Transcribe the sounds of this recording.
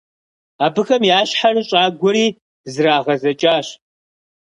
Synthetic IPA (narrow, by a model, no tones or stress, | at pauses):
aːbɨxɐmjaːɕħarɨɕʼaːɡʷɔɾiː | zɨraːʁɐzɐt͡ʃʼaːɕ